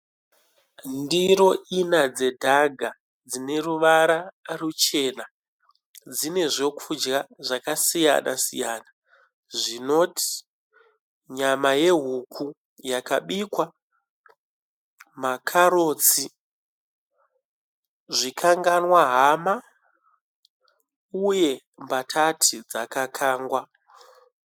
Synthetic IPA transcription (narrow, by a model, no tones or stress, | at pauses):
ndiɾo̞ʔinad͡ze̞dʱaɡʱa | d͡zine̞ruʋaɾarut͡ʃe̞na | d͡zine̞ʐo̞kʰud͡ʒɣaʐakasija̰na̰sḭjaːna | ʐino̞tʰi̥ | ɲamaje̞ɦukʰu | jakaɓikwa | makʰaɾo̞ːt͡si | ʐikʰaŋɡanwaɦama | uje̞ | mbatʰatʰid͡zakakʰaːŋɡwa